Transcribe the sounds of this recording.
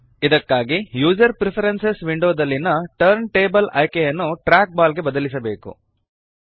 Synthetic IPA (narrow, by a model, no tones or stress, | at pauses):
id̪ɐkːaːɡijuːd͡ʒɐɾpɾipʰɐɾensesʋiɳɖoːd̪ɐlːinɐʈɐɾɳʈeːbɐlɐjkejɐnːuʈɾaːk̚baːlɡe̞bɐd̪ɐlisɐbe̞ːkṵ